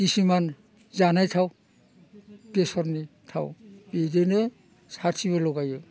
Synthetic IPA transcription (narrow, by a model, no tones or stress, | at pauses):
kisiman | zanajtʰaw | besɔɾnitʰa̰wbedenɯ | satʰiβalɔɡajɯ